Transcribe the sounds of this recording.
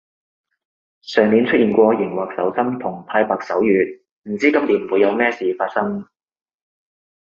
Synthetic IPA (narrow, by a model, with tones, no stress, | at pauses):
sœː˨ŋmiː˨˧nt͡ʃʰt̚ʔiː˨nkʷɔː˧jɪ˨˩ŋwaː˨k̚sɐ˨˥wsɐ˥mt̪ʰʊ˨˩ŋp̪ʰaː˥jpaː˨k̚sɐ˨˥wjyː˨t̚ | m̩˨˩t͡siː˥kɐ˥mliː˨˥n˨wu˨˧jɐ˨˧wmɛː˥siː˨faː˧t̚sɐ˥ŋ